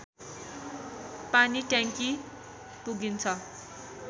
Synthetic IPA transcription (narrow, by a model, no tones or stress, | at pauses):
paniʈjaŋki | puɡint͡sʰʌ